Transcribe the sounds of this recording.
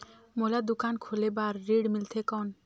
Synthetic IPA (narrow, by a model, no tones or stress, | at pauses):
molad̪ʊkankʰolebaːɾːiɽmɪlt̪ʰekɔn